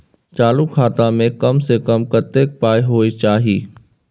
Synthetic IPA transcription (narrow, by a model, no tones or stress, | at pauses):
t͡ʃaːlukʰaːt̪amẽkɐmsekəmkət̪eːk̚paːeɦoːit͡ʃaːɦiː